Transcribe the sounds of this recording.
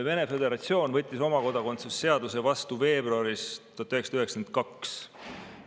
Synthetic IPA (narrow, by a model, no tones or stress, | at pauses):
ve̞ne̞fe̞d̪e̞ɾɑt̪sio̞ːnvɤt̪ʲːiso̞mɑko̞d̪̥ɑko̞nt̪susːe̞ɑd̪use̞vɑst̪uve̞ːbruɑɾist̪uɑt̪ɑyhe̞ksɑ̥d̪yɦeksen̚kɑks